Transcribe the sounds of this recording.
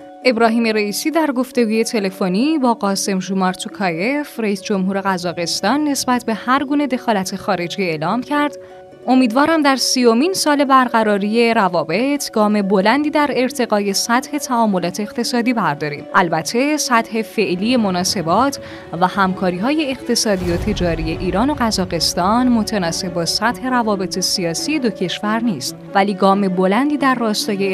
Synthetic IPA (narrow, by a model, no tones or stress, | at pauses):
ʔe̞bɾɒːɦiːme̞ɾeiːsiːd̪æɾɡo̞ft̪e̞ɡuːje̞t̪ʰe̞le̞foniːbɒːɣɒːse̞mʒumɒɾt̪ʰukʰɒjefreiːsd͡ʒo̞mɦuːɾe̞ɣæzɒːɣe̞st̪ɒːnːe̞sbæt̪ʰbe̞hæɾɡuːne̞d̪e̞xɒːlæt̪ʰe̞xɒːɾe̞d͡ʒiːe̞ːlɒːmcʰæɾd̪̥ | ʔo̞miːd̪vɒːɾæmd̪æɾsiːjo̞miːnsɒːle̞bæɾɣæɾɒːɾiːje̞ɾævɒːbe̞t̪ʰɡ̥ɒːme̞bo̞lænd̪iːd̪æɾe̞ɾt̪ʰe̞ɣɒːje̞sæt̪he̞t̪ʰæɒːmːo̞lɒːt̪ʰe̞ːɣt̪ʰe̞sɒːd̪iːbæɾd̪ɒːɾḭːmʔælbæt̪ʰːe̞sæt̪he̞fe̞ʔliːje̞mo̞nɒːse̞bɒːt̪ʰ | væhæmkʰɒːɾiːɦɒːje̞ːqt̪ʰe̞sɒːd̪iot̪ʰe̞d͡ʒɒːɾije̞ʔiːɾɒːno̞ɢæzɒːɣe̞st̪ɒːnmo̞t̪ʰænɒːse̞b̚bɒːsæt̪he̞ɾævɒːbe̞t̪ʰe̞siɒːsije̞d̪ocʰe̞ʃvæɾniːst̪væliːɡɒːme̞bo̞lænd̪iːd̪æɾːɒːst̪ɒːje